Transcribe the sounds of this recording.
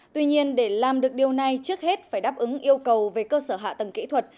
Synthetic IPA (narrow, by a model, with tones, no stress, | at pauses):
t̪wi˧ɲi˧ənɗe˧˩laː˨˩mɗɨ˨˩ək̚ɗi˨˩əwna˨˧˩jt͡ɕɨ˦˥ək̚he˦˥t̚faː˧˩jɗaː˦˥p̚ʔɨ˨˦ŋʔi˧əwkə˨˩wve˨˩kəː˧səː˧˩ɦa̰ː˧˨t̪ə˨˩ŋkḭ˧˥t̪ʰwə˨˩t̚